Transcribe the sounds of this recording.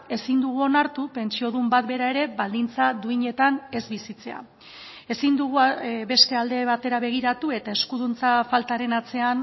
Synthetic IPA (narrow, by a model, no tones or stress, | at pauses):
e̞sind̪uɣ̞uo̞naɾt̪upe̞nt͡sio̞ð̞umbat̪̚be̞ɾae̞ɾe̞βald̪int͡sad̪uiɲe̞t̪ane̞zβisit͡se̞a̰ | e̞sind̪uɣ̞ube̞st̪e̞ald̪e̞βat̪e̞ɾaβe̞ɣ̞iɾat̪ue̞t̪ae̞skuðunt͡safalt̪aɾe̞nat͡se̞an